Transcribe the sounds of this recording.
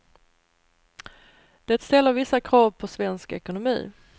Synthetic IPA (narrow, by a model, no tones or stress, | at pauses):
d̪̥ɛt̪st̪ɛlːəɾvɪsːakʰɾɑːvpʰɔsvɛnskɛ̰kʊnʊmḭː